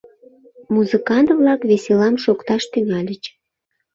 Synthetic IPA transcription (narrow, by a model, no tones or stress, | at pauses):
muzɨkɑnt̪vlɑkβeselɑmʃokt̪ɑʃt̪yŋɑlʲət͡ɕ